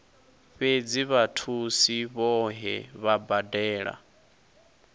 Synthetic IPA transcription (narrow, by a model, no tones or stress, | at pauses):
ɸed͡ziβatʰusiβɔɦɛβabadɛːɺa̰